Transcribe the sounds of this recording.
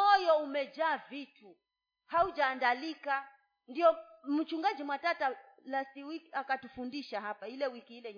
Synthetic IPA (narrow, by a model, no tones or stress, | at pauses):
ɔjɔumɛd͡ʒaːvitu | haud͡ʒaːndalika | ndiɔm̩t͡ʃuŋɡad͡ʒimwatata | lasiwikiakatufundiʃaɦapailɛwikiilɛɲ